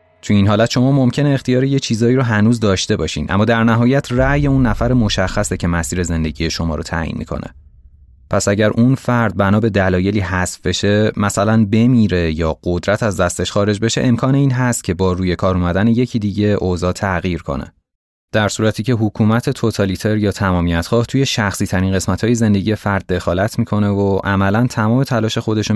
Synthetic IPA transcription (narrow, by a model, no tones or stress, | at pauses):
t̪ʰuiːnɦɒːlæt̪ʃo̞mɒːmo̞mcʰe̞neːxt̪ijɒːɾejet͡ʃʰiːzɒːiːɾoɦænuːzd̪ɒːʃt̪e̞bɒːʃḭːnʔæ̰mːɒːd̪æɾnæɦɒːjæt̪ʰræje̞unːæfæɾemo̞ʃæxːæsecʰe̞mæsiːɾe̞ze̞nd̪e̞ɟije̞ʃo̞mɒ̰ːɾot̪ʰæ̰ːjḭːnmḭkʰo̰nʔḛ | pʰæsæɟæɾʔunfæɾd̪̚bænɒːbe̞d̪ælɒːje̞liːɦæsfbe̞ʃe̞mæsælænbe̞miːɾe̞jɒːɢod̪ɾæt̪ʰæzd̪æst̪e̞ʃxɒːɾe̞d͡ʒbe̞ʃeʔemkʰɒːne̞iːnɦæst̪̚cʰe̞bɒːɾuːje̞kʰɒːɾumæd̪æneje̞cʰid̪iːɟe̞ʔozɒːt̪ʰæɣiːɾkʰo̞̰nḛ | d̪̥æɾsuːɾæt̪ʰiːcʰe̞ɦukʰuːmæt̪ʰe̞t̪ʰo̞t̪ʰɒlit̪ʰe̞ɾjɒːt̪ʰæmɒːmijæt̪xɒːht̪ʰuje̞ʃæxsiːt̪ʰæɾiːnɢe̞smæt̪hɒːje̞ze̞nd̪e̞ɟije̞fæɾd̪̥̚ːe̞xɒːlæt̪ʰmiːkʰo̞ne̞voʔæmælænt̪ʰæmɒːme̞t̪ʰælɒːʃe̞xo̞d̪e̞ʃo